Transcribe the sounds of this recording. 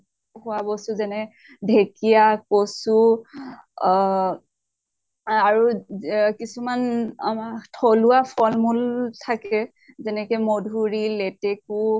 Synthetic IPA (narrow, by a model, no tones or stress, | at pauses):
hʊabɔsʊzɛnɛ | dʱekijakosu | aɹukisumanmtʰoluapʰɔlmultʰakɛ | zɛnɛkɛmodʱuɹileteku